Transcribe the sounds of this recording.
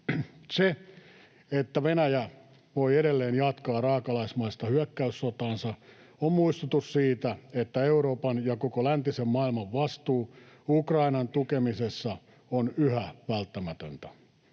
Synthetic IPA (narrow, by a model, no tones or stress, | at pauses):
se | et̪ːæʋenæjæ | ʋoieɾelːeːnjɑt̪kɑːrɑːkɑlɑismɑist̪ɑhyækːæysːot̪ɑːnsɑ | ommuist̪ut̪ussiːt̪æet̪ːæeuɾoːpɑnjɑkokolænt̪isemmɑilmɑʋʋɑst̪uː | ukrɑinɑnt̪ukemisesːɑ | onyhæʋælt̪ːæmæt̪ønt̪æ̥